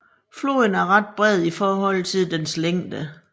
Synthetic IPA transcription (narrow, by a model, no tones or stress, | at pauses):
flo̝̰ːðnæɐʁɑ̈d̥̚b̥ʁɛð̞̰ˠifɒːɦɒ̽l̰t͡sʰe̝ðˠd̥ensleŋ̰d̥ə